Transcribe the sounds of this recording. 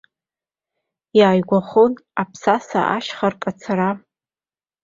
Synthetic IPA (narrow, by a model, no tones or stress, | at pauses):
jaːjɡʷaχonapʰsasa̰ʔaʃχarkʼat͡sʰaɾa